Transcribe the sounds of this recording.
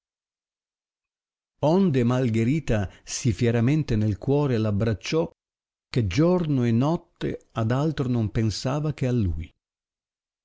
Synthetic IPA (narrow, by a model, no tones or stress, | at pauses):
ɔnd̪emalɡeɾiːt̪asifjɛɾamɛnt̪enelkwɔːɾelabːɾat͡ʃːɔ | k̟ed͡ʒɔrnoenɔt̪ːḛad̪alt̪ɾonompensaːvak̟ealːṵj